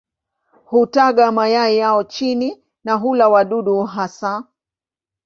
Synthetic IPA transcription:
hutaɠamajaijaɔt͡ʃini | naɦulawaɗuɗuɦasa

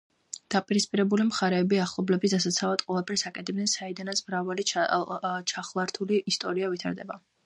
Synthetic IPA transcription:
d̪̥apʼiɾispʼiɾɛbulimχaɾɛːbiaχlˠɔblɛbisd̪as̬at̪sʰavad̪qʼwɛlˠapʰɛɾsakʼɛt̪ʰɛb̚nɛnsaid̪anat̪sʰmɾavali | t͡ʃʰaχlˠaɾt̪ʰuliːst̪ʼɔɾiavit̪ʰa̰ɾd̪ɛba

